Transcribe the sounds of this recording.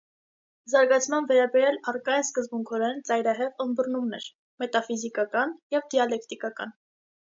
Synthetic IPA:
zɑɾɡɑt͡sʰmɑnvɛɾɑbɛɾjɑlɑrkɑjɛnskəzbuŋkʰɔɾɛnt͡sɑjɾɑɦɛʁənbəɾnumnɛ̰ɾ | mɛt̪ɑfizikɑkɑnjɛvd̪iɑlɛk̚t̪ikɑkɑ̰n

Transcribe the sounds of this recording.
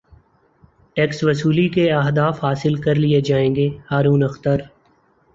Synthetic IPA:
ʈɛːksʋɐsuːlikeɐɦd̪aːfhaːsɪlkɐɾlied͡ʒaːẽːŋɡeːhaːɾuːnɐxt̪əɾ

